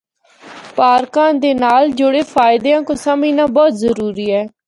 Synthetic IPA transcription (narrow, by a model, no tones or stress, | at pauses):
paːɾkãːd̪eːnaːld͡ʒʊɽeːpʰaːɪd̪eːãːkõːsamĩːnãːbɔːt̪zəɾuːɾiːɛː